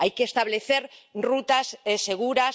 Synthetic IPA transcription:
ajkeːst̪aβleθeɾrut̪aseseɣ̞uɾas

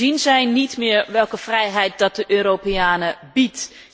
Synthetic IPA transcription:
inzɛjnitmɪːɹʋɛlˠkəv̥rɛjɦɛjt̚dɑt̚dəʔøːropeaːnəbit

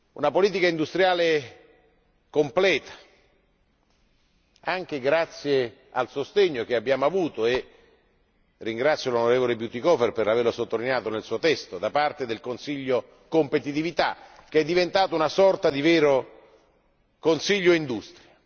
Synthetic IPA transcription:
ṵnapoliːt̪ikaind̪ust̪ɾjaːle | komplɛːt̪ḁ | aŋk̟eɡɾat̪sːje | alsost̪eɲːok̟eabːjaːmoavuːt̪oe | rːiŋɡɾat̪sːjolonoɾeːvolebjut̪ikɔferperlaverlosot̪ːolinejaːt̪onelsuːot̪ɛst̪od̪apart̪ed̪elkonsiʎːo | kompet̪it̪ivit̪ak̟eɛd̪ːivent̪aːt̪ounasɔrt̪ad̪ivɛːɾo | konsiʎːoind̪ust̪ɾja

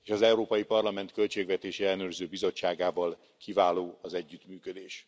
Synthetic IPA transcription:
eːʃɒzɛuɾoːpɒjipɒrlɒmɛnt̪kø̞lt͡ʃeːɡvɛt̪eːʃɛɛlːɛnøːrzøːbizo̞t͡ʃːaːɡaːvɒl | kivaːloːɒzɛɟːyt̪myːkød̪eːʃ

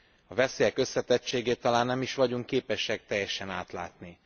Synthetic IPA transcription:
ɒvɛseːjɛkø̞sːɛt̪ɛt͡ʃːeːɡeːt̪ːɒlaːnːɛmiʃʋɒɟuŋkːeːpɛʃɛk̚t̪ɛjːɛʃɛnaːt̪la̰ːt̪ni

